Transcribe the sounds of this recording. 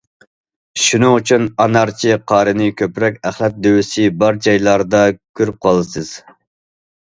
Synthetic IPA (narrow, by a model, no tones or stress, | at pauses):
ʃunɨŋyt͡ʃʰynɑnɑɾt͡ʃʰiqʰɑːɾɨnɪkʲʰøpɾɛkʲæχlˠɛt̪̚d̪øwisɪbɑɾd͡ʒɑjlˠɑɾd̪ɑkʲʰøɾyp̚qʰɑlˠɨsɨz̥